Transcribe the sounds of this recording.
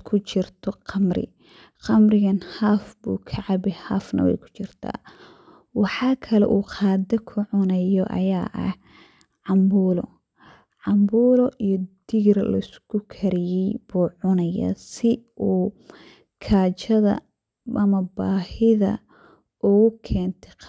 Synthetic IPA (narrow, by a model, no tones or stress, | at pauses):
kʰʊt͡ʃɪrt̪ʰɔqɑmrɪ̰ | qɑmrɪɣɐnhaːfbṵːkʰɐʕɑbɛhaːfnɐ̰wɛ̰jkʰʊ̥t͡ʃɪrt̪ʰa̰ː | wɑħɑːkʰɐlɛ̰ʔuːqʰɑːd̪ɐkʰʊʕʊnɐjɔʔɐ̰jaːʔɐ̰h | ʕɑmbuːlɔ̰ | ʕɑmbuːlɔʔijɔd̪̥iɣrlɐ̰ɪskʰʊkʰɐɾɪjɛjbuːʕʊnɐja̰sɪuː | kʰaːt͡ʃɐðɐ̰ | ʔɐmɐbaːhɪðɐ̰ | ʔʊɣʊkʰɛːnt̪ʰɛ̥